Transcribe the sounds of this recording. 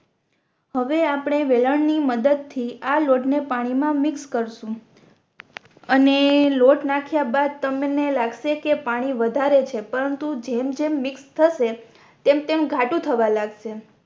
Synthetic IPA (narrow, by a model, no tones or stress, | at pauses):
həʋeapɳ̃eʋeləɳniməd̪əd̪̚t̪ʰialoʈnepaɽ̃imãmɪkskəɾʃũ | əneloʈnakʰjabad̪̚t̪əmenelaɡʃekepaɽ̃iʋəd̪ʱaɾet͡ʃʰepəɾənt̪ud͡ʒemd͡ʒemːɪkst̪ʰəʃe | t̪emt̪emɡʱaʈũt̪ʰəʋalaɡʃe